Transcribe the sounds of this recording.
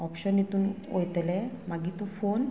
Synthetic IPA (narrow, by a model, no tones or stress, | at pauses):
ɔpɕənet̪uːn | o̰jt̪lɛ̃maɡit̪ofon